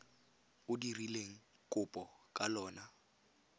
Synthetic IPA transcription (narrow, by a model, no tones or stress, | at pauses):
ʊdirileŋ̩kʼʊpʼɔkʼalɔːna